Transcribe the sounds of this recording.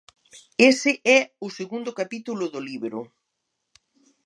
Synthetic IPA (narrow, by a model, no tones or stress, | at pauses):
esɪʔɛʊseɣund̪ʊkapit̪ulʊðoliβɾʊ̰